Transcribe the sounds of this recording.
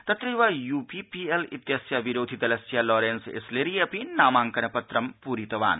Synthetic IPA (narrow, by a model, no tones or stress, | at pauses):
t̪ɐt̪ɾiʋajuːpipielḭt̪jɐsjaʋiɾoːd̪ʱit̪ɐlɐsjalɔːɾeːnsḛsleɾijɐpinaːmaːŋkɐnɐpɐt̪ɾɐmpuːɾit̪ɐʋa̰ːn